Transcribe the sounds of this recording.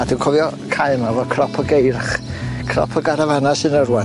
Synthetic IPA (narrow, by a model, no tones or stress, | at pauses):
ad̥unkʰɔvjɔkʰajnavɔkʰrɔpʰɔɡejrχkʰrɔ̰pʰɔɡaɾavanasɨnərwɛ